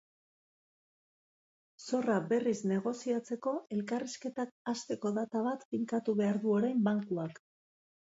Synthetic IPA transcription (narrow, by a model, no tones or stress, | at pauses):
so̞rabe̞rizne̞ɣ̞o̞siat͡se̞ko̞e̞lkariske̞t̪ak̚ast̪e̞ko̞ðat̪aβat̪fiŋkat̪uβe̞aɾðuo̞ɾajmbaŋkuak